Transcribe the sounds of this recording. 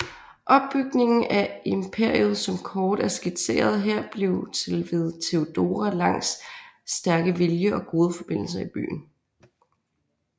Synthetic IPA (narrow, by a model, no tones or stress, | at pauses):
ʔɒ̽b̥ːyɡ̥ne̝ŋn̩æempʰe̝ɐ̰iuð̩ˠsɒ̽mkʰɒːd̥æɐsɡ̥e̥se̝̰ːɐð̞ˠɦeɐ̰b̥le̝ʊt͡sʰe̝lʋe̝ð̞ˠt͡sʰe̝od̥o̝ːʁælɑ̈ŋ̰sːd̥æɐɡ̥əʋeljəʔɒ̽ɡ̥o̝ːð̞ˠəfɒ̽b̥e̝n̰l̩s̬ɐib̥y̰ːn̩